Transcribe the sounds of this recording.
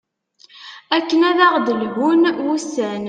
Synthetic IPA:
ækːənæðaʁd̪əlɣunwusæn

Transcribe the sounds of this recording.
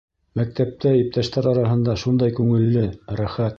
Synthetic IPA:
mæk̚t̪æp̚t̪æip̚t̪æʃt̪æɾɑɾɑɦɤ̆nd̪ɑʃund̪ɑjkʉŋɘ̆lːɘɾæχæt̪

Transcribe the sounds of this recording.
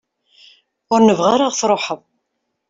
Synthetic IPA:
ʊɾnəvʁaɾaʁθɾˤoħəðˤ

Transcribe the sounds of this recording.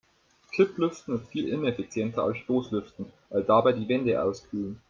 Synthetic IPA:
kʰɪplʏftn̩ɪstfiːlʔɪnɛfit͡sjɛntɐa̰lsʃtoːslʏftn̩vaɪldaːbaɪdiːvɛndəʔa̰ʊskʰyːlən

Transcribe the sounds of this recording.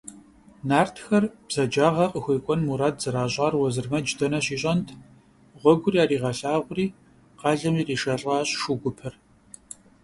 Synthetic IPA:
naːrtʰxɐrb̥z̥ɐd͡ʒaːʁɐqəxʷejkʷʼɔnmuɾaːd̚zɨɾaːʑʼɑːrwɔzɨrmɐd͡ʒdɐnɐɕiːɕʼɐntʰ | ʁʷɔɡʷʊriːaːɾiːʁɐɬaːʁʷʊriː | qɑːɮɐmiːriːʃɐɬʼɑːɕʼʃuɡʷʊpʰɐr

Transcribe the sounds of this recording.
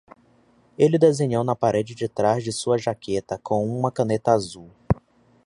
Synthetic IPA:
elɪd̪ezẽɲownɐpaɾed͡ʒɪd͡ʒɪt̪ɾazd͡ʒɪsuɐʒakʰet̪ɐkʰõw̃ũmɐkɐ̃net̪ɐazuw

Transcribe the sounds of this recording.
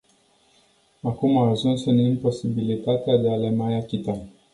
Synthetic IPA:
akumaːʒunsɨnimpo̞sibilit̪at̪ead̪e̞alemajakʲit̪a

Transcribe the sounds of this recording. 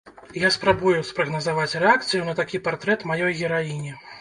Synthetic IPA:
jaspɾabujuspɾɐɣnɐzavat͡sʲrɛakt̪sɨjunɐt̪akʲipart̪ɾɛt̪majɔjɣʲɛɾajinʲɛ

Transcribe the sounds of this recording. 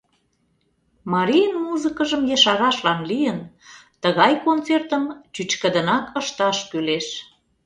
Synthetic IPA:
mɑɾʲijənmuzəkəʒəmjə̆ʃɑɾɑʃlɑnlijənt̪əɣɑjkont͡sert̪əmt͡ɕyt͡ɕkə̆d̪ə̆nɑkəʃt̪ɑʃkyleʃ

